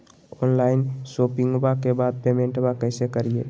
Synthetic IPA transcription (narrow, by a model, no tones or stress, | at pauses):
ɔnlaɪnsopiŋɡbakebad̪̚pemẽɳʈbakəɪsekəɾiḛ